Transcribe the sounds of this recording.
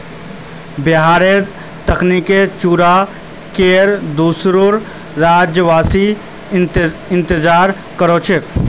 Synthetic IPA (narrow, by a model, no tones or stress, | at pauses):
bɪɦaːɾe | t̪əkniket͡ʃuːɾa | keːɾd̪uːsɾoɾ | ɾaːd͡ʒjəʋaːsi | ɪ̃nt̪ɪd͡ʒaːɾ | kəɾot͡ʃʰek